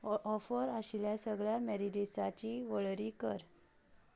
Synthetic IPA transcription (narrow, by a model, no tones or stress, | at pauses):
ɔfəɾaɕiljasəɡɭjamɛɾid̪esat͡ɕiʋəɭɾikəɾ